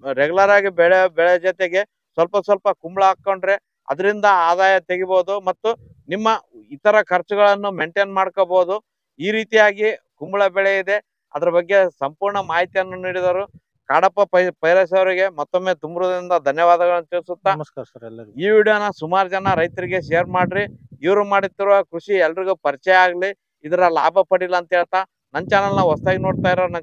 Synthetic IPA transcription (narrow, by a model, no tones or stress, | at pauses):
ɾɛɡulɐɾaːɡibɛɭɛbɛɭɛd͡ʒɐt̪eɡe̞ | sʋɐlpɐsʋɐlpɐkumbɭɐɐkːɐwɳʈɾe | ɐ̰d̪ɐɾind̪ɐaːd̪aːjɐt̪eɡiboːd̪umɐt̪ːu | nimːɐit̪ːɐɾɐkʰɐɾt͡ʃɐɡɐɭɐnːumeɳʈeːnmaːɽkoboːd̪u | iːɾiːt̪ijaːɡikumbɭɐbɛɭeid̪e̞ | ɐ̰d̪ɐɾɐbɐɡːe̞sɐmpuːɾɳɐmaːɦit̪ijɐnːuniːɽid̪ɐɾu | kaːɽɐpːɐɐpɐjɾɐs̬ɐʋɐɾiɡe̞mɔt̪ːomːeːt̪umɾud̪ind̪ɐd̪ʱɐnjɐʋaːd̪ɐɣɐɭɐnːt̪iːɾsut̪ːɐskːiːʋiːɽjoːnɐsumaːɾud͡ʒɐnɐɾɐjt̪ɐɾiɡe̞ʃɛjɐɾmaːɽɾiiʋɐɾumaːɽit̪ːiɾuʋɐkɾuʂiɛlːɐɾiɡupɐɾt͡ʃɛjaːɡliː | d̪ɐɾɐla̰ːbʱɐpɐɽilːɐːnt̪ɐɦeːɭt̪a | nɐnt͡ʃaːnɐlnɐɐst̪aːɡino̞ːɽt̪aːjiɾonɐ